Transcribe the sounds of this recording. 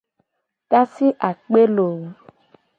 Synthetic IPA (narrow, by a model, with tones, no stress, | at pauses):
ka˦si˦ʔa˨k͡pe˦lo˨wu˦